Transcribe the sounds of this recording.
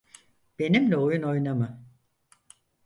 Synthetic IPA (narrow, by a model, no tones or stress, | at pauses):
b̥e̞nimlʲɛojuno̞jnamɯ